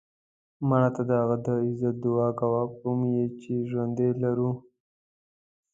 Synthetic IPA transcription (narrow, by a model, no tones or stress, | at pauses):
maɳat̪ad̪əhaɣad̪əɪzat̪̚d̪ʊɑkawapumjet͡ʃeʒwand̪elaɾu